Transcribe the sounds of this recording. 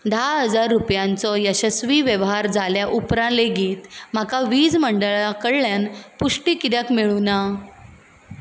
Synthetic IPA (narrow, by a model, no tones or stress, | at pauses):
d̪ʱaɦəd͡zaɾːupjãnt͡sɔjəɕəsʋiːʋjəʋɦaɾd͡zʱaljaʔupɾãleɡiːt̪m̤akaʋiːd͡zməɳɖəɭakəɽljanpuʂʈiːkiɾjəkmiɭuna